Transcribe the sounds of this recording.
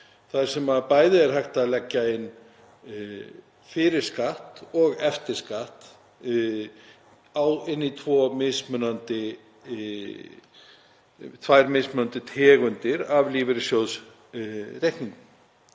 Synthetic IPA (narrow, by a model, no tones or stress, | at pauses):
θaðɾ̥sɛmaðpaːjðɪɛɾ̥ɦajht̪aðlɛcːaɪnː | fɪɾɪɾ̥skaht̪ɔɣɛft̪ɪɾ̥skaht̪ | awɪnːit̪ʰvɔːmɪðsmʏnant̪ɪ | t̪ʰvajɾmɪsmʏnant̪ɪt̪ʰɛːɣʏnt̪ɪɾavliːvɪɾɪsjows | rejhniŋknʏ